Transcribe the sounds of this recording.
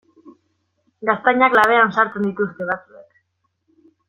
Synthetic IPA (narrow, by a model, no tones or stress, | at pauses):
ɡast̪aɲaklaβ̞e̞ansaɾt͡se̞nd̪it̪ust̪e̞β̞at͡sue̞k